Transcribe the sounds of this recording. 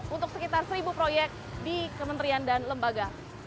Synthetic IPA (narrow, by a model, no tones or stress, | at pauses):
unt̪ʊk̚səkit̪arsəɾibupɾojɛk̚t̪̚dikəmənt̪əɾiandanləmbaɡa